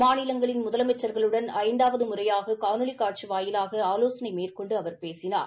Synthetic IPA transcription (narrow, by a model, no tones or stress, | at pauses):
maːnɪlɐŋɡɐɭɪnmʊðɐlɐmɛt͡ʃːɐɾɣɐɭɯɽɐnɐɐɪnd̪aːʋɐðɯmʊrɐjaːɣɐkaːnɯɭɪkːaːʈ̚t͡ʃiʋaːjɪlaːɣɐaːloːsɐnɐɪmeːrkɔɳɖɯɐʋɐɾpeːsɪna̰ːɾ